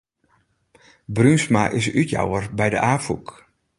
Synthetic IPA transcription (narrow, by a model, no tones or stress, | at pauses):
brynsmaʔɪsytja̰wərbɛjdəʔaːfuk